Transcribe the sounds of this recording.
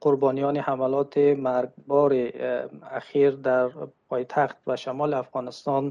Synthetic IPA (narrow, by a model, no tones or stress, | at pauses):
qʰʊɾbɔnijɔnihamalɔt̪ʰimaɾɡbɔɾiaχiɾd̪aɾpʰɔjt̪ʰaχt̪vaʃamɔliafʁɔnist̪ɔn